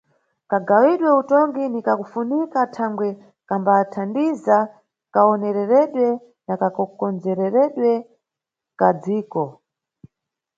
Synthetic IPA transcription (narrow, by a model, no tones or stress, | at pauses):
kaɡawiɗwɛutɔŋɡinikakufunikatʰaŋɡwɛ | kambatʰandiza | kaɔnɛɾɛɾɛɗwɛ | nakakɔkɔnd͡zɛɾɛɾɛɗwɛ | kad͡ziːkɔ